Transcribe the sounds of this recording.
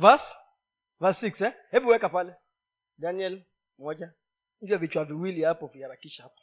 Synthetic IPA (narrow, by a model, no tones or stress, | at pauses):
vas | vasiksɛhɛɓuwɛkapalɛ | daniɛl | mɔd͡ʒa | ɲ̩d͡ʒavit͡ʃwaviwiliapɔviaɾakiʃahapḁ